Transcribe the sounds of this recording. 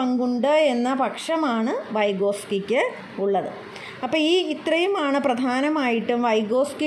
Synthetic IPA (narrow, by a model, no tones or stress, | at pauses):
ɐŋɡuɳɖɨe̞nːɐpɐkʂɐmaːɳɨʋɐjɡo̞ːskikʲːɨ | uɭːɐðɨ | ɐpːoːiːit̪rɐjumaːɳɨprɐd̪ʱaːnɐmaːjiʈːumʋɐjɡo̞ːski